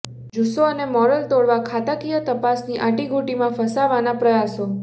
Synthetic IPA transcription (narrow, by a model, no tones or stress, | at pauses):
d͡ʒusoənemɔɾəlt̪oɭʋakʰat̪akijət̪əpasniʔaʈiɡʱuʈimãfəsaʋanapɾəjaso